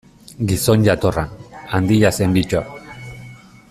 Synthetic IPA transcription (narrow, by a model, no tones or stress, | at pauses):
ɡiso̞nʝat̪oranand̪iʎasembit͡ʃoa